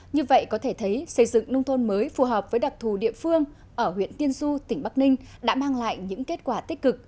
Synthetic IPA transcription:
ɲɨ˧və̰˧˨jkɔ˨˦t̪ʰe˧˩t̪ʰə˨˦jsə˧˩jzɨ̰˧˨ŋnə˧wŋ͡mt̪ʰo˧nməː˨˦jfu˨˩ɦəː˨˩p̚vəː˨˦jɗa˨˩k͡p̚t̪ʰu˧˩ɗḭ˧˨əfɨ˧əŋ | ʔəː˧˩ɦwḭ˧˨ənt̪i˧ənsu˧t̪ï˧˩ŋ̟ɓa˦˥k̚nï˧ŋ̟ɗa̰ː˧˥maː˧ŋla̰ː˧˨jɲɨ̰˧˥ŋke˦˥t̚kwaː˧˩t̪i˦˥t̚kɨ˨˩k̚

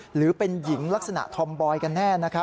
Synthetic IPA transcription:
ɾɯː˩˦pe˧nji˩˦ŋla˦˥k̚sa˧na̰˨˩ʔt̪ʰɔ˧mbɔː˧jka˧nːɛː˥˩na˦˥kʰa˦˥

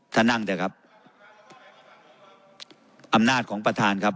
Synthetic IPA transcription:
t̪ʰaː˥˩na˥˩ŋt̪ɛː˧˩kʰa˦˥p̚ | ʔa˧mnaː˥˩t̪̚kʰɔː˩˦ŋpɾa˧t̪ʰaː˧nkʰa˦˥p̚

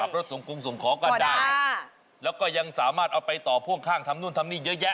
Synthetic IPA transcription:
a˨˩p̚ɾo˦˥t̪̚so˨˩˦ŋkʰu˧msu˨˩˦ŋkʰɔː˩˦ka˧ndaː˥˧˩ | lɛː˦˥wkɔː˥˩ja˧ŋsaː˩˦maː˥˩t̪̚ʔa˧wpa˧jt̪ɔː˨˩pʰu˥˩əŋkʰaː˥˩ŋt̪ʰa˧mnu˥˩˨nt̪ʰa˧mniː˥˩jɤ˦˥jɛ˦˥

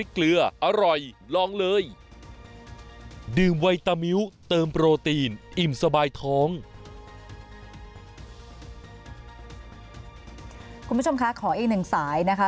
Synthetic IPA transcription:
i˦˥klɯ˧ɐʔa˧ɾɔ˨˩jlɔː˧˥ŋlɤː˧j | dɯː˨˩mwa˧jt̪a˧mi˦˥wt̪ɤː˧mpɾoː˧t̪iː˧nʔi˨˩msa˧baː˧jt̪ʰɔː˦˥ŋ | ku˩˧mː˦˥t͡ɕʰo˧mkʰa˦˥kʰɔː˩˦ʔiː˨˩k̚nɯ˨˩ŋsaː˩˦jna˦˥kʰa˦˥

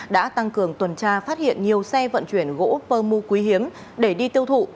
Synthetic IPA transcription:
ɗa̰ː˧˥t̪a˧ŋkɨ˧˩əŋt̪wə˨˩nt͡ɕaː˧˩faː˦˥t̚hḭ˧˨ənɲi˨˩əwsɛ˧və̰˧˨nt͡ɕwi˧˩ənɣo̰˧˥pəː˧mu˧kwi˨˦ɦi˨˦əm | ɗe˧˩ɗi˧t̪i˧əwt̪ʰṵ˧˨

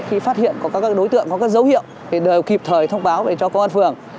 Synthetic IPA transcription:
xi˧faː˦˥t̚hḭ˧˨ənkɔ˨˦kaː˦˥kaː˦˥k̚ɗo˨˦jt̪ɨ̰˧˨əŋkɔ˨˦kaː˨˦˥k̚zə˨˦whḭ˧˨əw | ɗe˨˩ɗəː˨˩wki˨˩p̚t̪ʰəː˨˩jt̪ʰə˧wŋ͡mɓaː˨˦wve˨˩t͡ɕɔ˧kɔ˨˦ʔa˧nfɨ˨˩əŋ

